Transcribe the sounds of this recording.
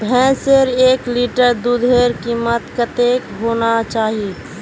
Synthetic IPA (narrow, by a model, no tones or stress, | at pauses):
bʱɛ̃ːseɾeːkliːʈəɾd̪ud̪ʱeːɾkiːmət̪kət̪eːkɦoːnat͡ʃaːɦi